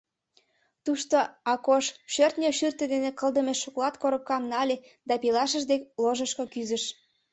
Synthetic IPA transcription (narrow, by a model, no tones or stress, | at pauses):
t̪uʃt̪oɑkoʃʃørt̪nʲøʃyrt̪ĕd̪enekə̆lˠd̪ə̆meʃoklɑt̪koɾə̆p̚kɑmnɑlʲe | d̪ɑpilɑʃə̆ʒd̪ekloʒə̆ʃkokyzə̆ʃ